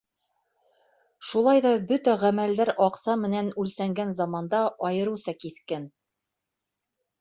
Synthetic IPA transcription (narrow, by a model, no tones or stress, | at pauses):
ʃulˠɑjðɑbɵt̪æʁæmæld̪æɾɑqsɑmɘ̆nænʉlsæŋɡænzɑmɑnd̪ɑʔɑjɤ̆ɾɤsɑkiθkæn